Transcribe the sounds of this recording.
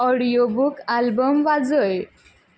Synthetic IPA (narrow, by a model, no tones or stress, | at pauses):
ɔɽijobukalbəmʋad͡zəj